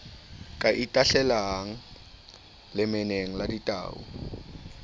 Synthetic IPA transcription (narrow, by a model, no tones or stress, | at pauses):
kʼaʔitʼaɬɛlaŋ̩ | lɪmɪneŋ̩laditʼa̰ːʊ̰